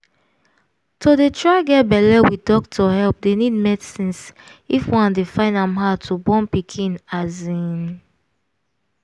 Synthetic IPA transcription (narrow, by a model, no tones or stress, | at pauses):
tʰodetʰɹaɪɡɛt̚bɛlɛwitdɔk̚tʰɔhɛlp̚denid̚mɛdsĩnsifwãndefãɪ̃ndãmɦaʊtʰubɔ̃npikʰĩnazĩn